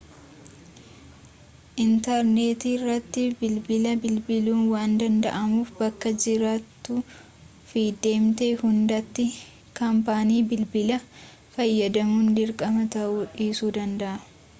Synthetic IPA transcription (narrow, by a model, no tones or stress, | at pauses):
ʔɪnt̪ɐɾne̞ːt̪iːrːɐt̪ːɪbɪlbɪlɐbɪlbɪluːnwaːnd̪ɐnd̪ɐ̰ʔɐmuːfbɐkːɐd͡ʒɪɾaːt̪ːu | fiːd̪e̞ːmt̪eːhʊnd̪ɐt̪ːɪ | kɐmpaːniːbɪlbɪlɐ | fɐjːɐd̪ɐmuːnd̪ɪɾkʼɐmɐt̪ɐʔuːᶑiːsuːd̪ɐnd̪ɐʔɐ